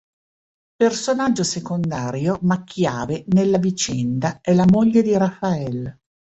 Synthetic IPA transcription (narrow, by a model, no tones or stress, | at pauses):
personad͡ʒːosekond̪aːɾjomakʰːjaːvenelːavit͡ʃɛnd̪aɛlamoʎːed̪iɾafːaɛl